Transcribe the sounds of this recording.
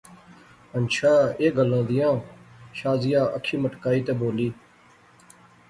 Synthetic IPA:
ənʃʰaːeːɡəlãːd̪ɪjãːʃaːzɪjaːʔəkʰiːməʈkaːiːt̪eːboːliː

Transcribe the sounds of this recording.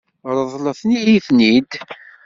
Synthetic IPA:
ɾˤəðˤləθnijiθnid̪

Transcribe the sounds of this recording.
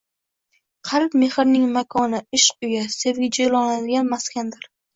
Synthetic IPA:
qʰɑɾɪpme̞hɪɾnɪŋmakʰɒnɪɪʃʊjasevʲɪd͡ʒelˠɒnad̪ɪɡʲanmaskʲand̪ɪɾ

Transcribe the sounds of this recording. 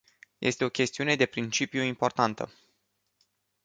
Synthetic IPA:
jʔe̞̰st̪e̞o̞kʲe̞st̪iune̞d̪e̞pɾint͡ʃipjuimpo̞rt̪ant̪ə̰

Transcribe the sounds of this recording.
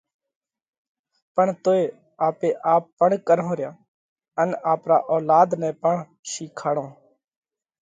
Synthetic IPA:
pəɳt̪oːeː | aːpeːʔaːpːəɳkəɾõːɾɪjaː | ənaːpɾa̰ːʔoːlaːd̪nɛ̃ːpəɳ | ʃiːkʰaːɽõː

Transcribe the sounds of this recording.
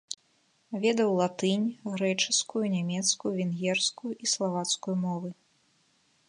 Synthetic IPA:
vʲɛd̪ɐwlˠat̪ɨnʲɣɾɛt͡ʂɨskujunʲamʲɛt̪skujuvʲɛnɣʲɛrskujuʔislˠavat̪skujumɔvɨ

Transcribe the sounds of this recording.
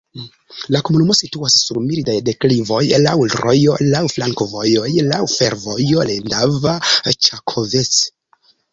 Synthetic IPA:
lakomunumo̞situasːuɾmilidajdeklivo̞jlawlɾo̞̰jo̞lawflaŋkovo̞jojlawfe̞ɾvo̞jo̞lendavat͡ʃakʰovet͡s

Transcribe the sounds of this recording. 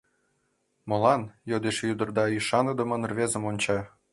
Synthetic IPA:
mɤ̆lɑnjod̪eʃjyd̪ɤ̆rd̪ɑiʃɑnɤ̆d̪ɤ̆mə̆nrβʲezə̆monʲt͡ɕɑ

